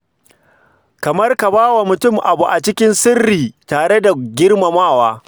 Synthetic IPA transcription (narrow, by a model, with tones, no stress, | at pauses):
kɐ˨mɐ˦rka˨baː˦wa˨mʊ˨tʊ˦˨mʔa˨bu˨ʔa˨t͡ʃɪ˦kʲɪ˦nsɪ˦rːiː˨taː˨ɽe˦da˨ɡʲɪ˦rma˨maː˦˨waː˦